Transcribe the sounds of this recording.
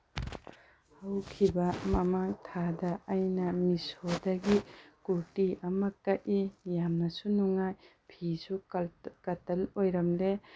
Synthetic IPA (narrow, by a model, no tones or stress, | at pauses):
hɐwkʰibɐmɐmaŋtʰadɐːjnɐmisodɐɡikuɾtiɐmɐkɐʔijamnɐsunuŋajpʰisukɐtɐlojɾɐmle